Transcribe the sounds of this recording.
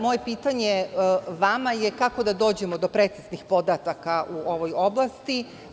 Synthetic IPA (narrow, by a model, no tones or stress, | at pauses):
mo̞je̞piːt̪aɲeʋamajekako̞d̪ad̪o̞ːd͡ʑe̞mo̞d̪o̞pɾeːt̪siznixpo̞d̪at̪akaʔuo̞ʋo̞jo̞blˠast̪i